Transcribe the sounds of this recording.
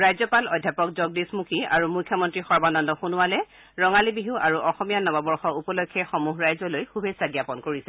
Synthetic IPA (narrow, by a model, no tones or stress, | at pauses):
ɹajzɔpalɔdʱːjapɔk̚zɔɡ̚dismukʰia̰ɹumukʰːjɔmɔntɹixɔɹbanɔndɔxunʊwalɛ | ɹɔŋalibiɦuaɹuʔɔxɔmijanɔbabɔɹxɔupɔlokʰːɛxɔmuɦɹajzɔlojxubʱesaɡjapɔnkoɹisɛ